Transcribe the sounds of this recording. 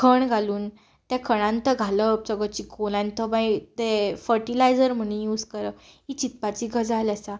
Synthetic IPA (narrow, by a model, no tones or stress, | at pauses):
kʰəɳɡʱaluːn | t̪jakʰəɽ̃ãnt̪əɡʱaləp̚t͡səɡət͡ɕikolãnt̪əbajt̪efəɾʈilajd͡zəɾm̤əɽ̃ũnjuːd͡zkəɾəit͡ɕit̪̚pat͡ɕiɡʱəd͡zalasa